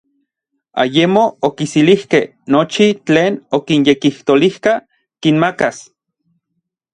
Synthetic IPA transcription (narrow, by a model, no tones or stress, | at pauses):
a̰jemookisilihkeh | not͡ʃit͡ɬeːnokinjekiht̪olihka | kinmakas